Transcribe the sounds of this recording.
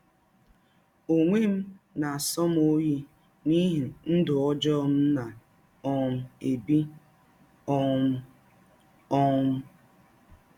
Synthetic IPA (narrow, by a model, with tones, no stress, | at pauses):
o˨ŋʷe˦m̩˦ | na˨a˨sɔ˦m˦o˦ji˦ | ni˦ɦi˨n̩˦dʊ˨ɔ˦d͡ʒɔ˦m̩˦na˨ | ɔ˦˨m̩˨e˨bi˦ | ɔ˦m̩˦ | ɔ˦m̩˦